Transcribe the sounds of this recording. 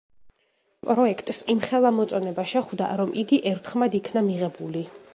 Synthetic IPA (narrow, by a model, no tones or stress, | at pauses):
pʼɾɔɛkʰt̪ʼsimχɛlˠamɔt̪sʼɔnɛbaʃɛχwd̪a̰ɾɔmʔiɡiʔɛɾt̪ʰχmad̪ikʰnamiʁɛbuli